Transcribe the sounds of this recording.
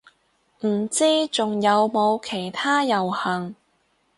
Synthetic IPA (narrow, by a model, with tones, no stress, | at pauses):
m̩˨˩t͡siː˥t͡sʊ˨ŋjɐ˨˧wmo˨˧wkʰe˨˩jt̪ʰaː˥jɐ˨˩whɐ˨˩ŋ